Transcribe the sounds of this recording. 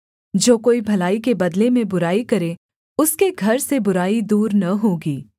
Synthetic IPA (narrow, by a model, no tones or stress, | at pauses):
d͡ʒoːkoːibʱɐlaːik̬ebɐd̪lemẽbʊɾaːikɐɾẽ | ʊskeɡʱɐɾsebʊɾaːid̪uːɾnɐɦoːɡiː